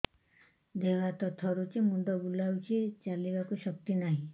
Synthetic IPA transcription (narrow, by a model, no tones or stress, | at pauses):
d̪ebat̪ɔt̪ʰɔɾut͡ʃemunɖ̪ɔbulawt͡ʃʰet͡ʃalibakuʃɔk̚t̪inaɦĩ